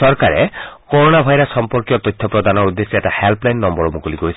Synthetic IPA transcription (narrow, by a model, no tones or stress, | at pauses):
ɔɾkaɾḛkoɾonabʱajɾɔsɔmpɔɾkijɔt̪ɔjt̪ʰːɔpɾɔd̪ʱanɔud̪ːesieʈahelplajnːɔmbɔɾɔmukuliɡoisʰ